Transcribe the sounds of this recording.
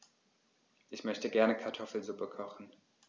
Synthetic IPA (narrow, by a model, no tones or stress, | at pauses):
ʔɪçmœçtəɡɛɐnəkʰaɐtʰɔfl̩zupəkʰɔχn̩